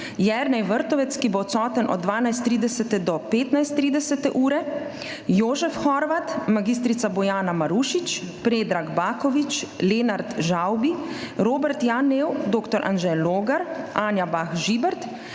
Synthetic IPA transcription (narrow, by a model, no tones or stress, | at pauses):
jɛɾnɛjʋəɾt̪ɔʋɛt̪skibot̪sɔːt̪ənʔɔ̰d̪̚ːʋaːnajst̪ɾiːd̪ɛsɛt̪ɛd̪ɔpeːt̪najst̪ːɾiːd̪ɛsɛt̪ɛʔuːɾɛ | joːʒɛfxɔɾʋat̪maɡis̬t̪ɾit̪sabɔjaːnamaɾuːʃit͡ʃ | pɾeːd̪ɾaɡbaːkɔʋit͡ʃleːnaɾt̪ʒawbiɾoːbɛɾt̪janeːwd̪oːkt̪ɔɾʔa̰nʒɛloːɡaɾʔaːnjabaxʒiːbɛɾt̪